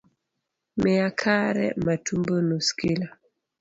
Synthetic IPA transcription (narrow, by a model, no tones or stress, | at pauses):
mɛakʰaɾɛ̰matumbonoskila